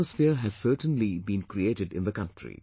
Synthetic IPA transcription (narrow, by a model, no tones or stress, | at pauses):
əsfiəɾɦæz̥səːʈə̃nlibĩːnkɾieːʈɪɖɪ̰̃nd̪əkʌ̃nʈɾḭ